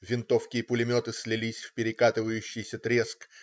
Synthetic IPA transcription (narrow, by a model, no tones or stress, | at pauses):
vʲɪnt̪ofkʲɪjəpʊlʲɪmʲo̞t̪ɨsʲlʲɪlʲisʲfpʲɪɾʲɪkat̪ɨvəjʉɕːɪjsʲət̪ɾʲesk